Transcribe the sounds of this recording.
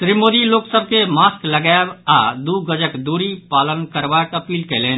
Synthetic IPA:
t̪ɾimoːd̪iloːksəb̚kemaːsklɐɡabaːd̪uːɡəd͡ʒəkd̪uːɾipaːlənkɐɾʋaːkɐpiːlkɐleː

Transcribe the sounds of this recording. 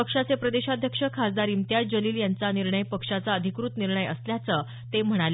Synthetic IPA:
əkʂat͡sepɾəd̪eɕad̪ʱjəkʂəkʰasd̪aɾiːmt̪jad͡ʑəliːljant͡saniɾɳəjpəkʂat͡saəd̪ʱikɾut̪niɾɳəjə̰sljat͡sə | t̪em̤əɽ̃al

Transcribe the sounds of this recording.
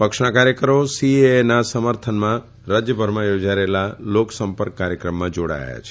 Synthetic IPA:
pəkʃɳakaɾjəkəɾosienasəməɾt̪ʰənmã | ɾad͡ʒjəbʱəɾmãjod͡ʒaɾelaloksəmpəɾkːaɾjəkɾəmːãd͡ʒoɽa̰ja̰t͡ʃʰe̥

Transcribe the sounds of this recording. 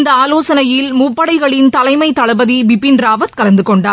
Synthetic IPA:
nd̪ɐaːloːsɐnɐjɪlmʊpːɐɽɐɪɣɐɭɪnt̪ɐlɐɪmɐɪt̪ːɐɭɐbɐðiʋɪpːɪnɾaːʋɐt̪̚kɐlɐnd̪ɯkɔɳɖaː

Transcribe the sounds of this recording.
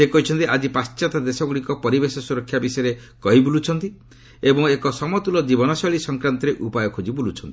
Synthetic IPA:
sekɔɦit͡ʃʰɔnt̪iad͡ʒipast͡ʃat̪ad̪esɔɡuɽikɔpɔɾibesɔsuɾɔkʰːjabisɔjɾekɔɦibulut͡ʃʰɔnt̪i | ebɔŋekɔsɔmɔt̪ulɔd͡ʒibɔnɔsɔɭisɔŋkɾant̪ɔɾeʔupajɔkʰod͡ʒibulut͡ʃʰɔnt̪i̥

